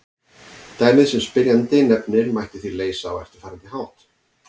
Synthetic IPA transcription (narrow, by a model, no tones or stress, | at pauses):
t̪aːjmɪðsɛmspɪɾjant̪ɪnɛpnɪɾmajht̪ɪθileːjsaːwɛft̪ɪ̥ɾ̥faɾant̪ɪhaːwt̪